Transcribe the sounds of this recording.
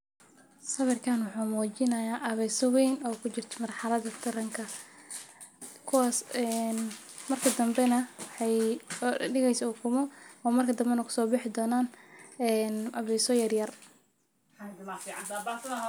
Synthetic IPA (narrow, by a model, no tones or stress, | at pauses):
sɐβɪrkʰanwʊħuːmɔːt͡ʃɪnɐjaːʔɐβɛjsɔwɛjnɔːkʰʊt͡ʃɪrt̪ʰɔ̥mɐrħɑlɐðɐt̪ʰɐɾɐŋkʰɐ | kʰʊwaːsɛn | mɐrkʰɐd̪ɐmbɛnɐwɑħɑj | ɖɪɣɛjsɐʊkʰʊmɔɔːmɐrkʰɐd̪ɐmbɛnɐkʰʊ̥sɔːbɪħɪd̪ɔːnaːnɛːnɐβɛjsɔjɐrjɐr | fʕɑnt̪aba